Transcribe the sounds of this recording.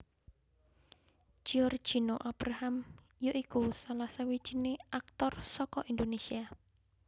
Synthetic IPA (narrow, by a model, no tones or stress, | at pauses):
ʒ̥iɔr̥ʒ̥i̤noʔab̥ɾaham | joʔikusalasawi̥ʒ̥ineak̚t̪ɔrsɔkɔʔind̪onesia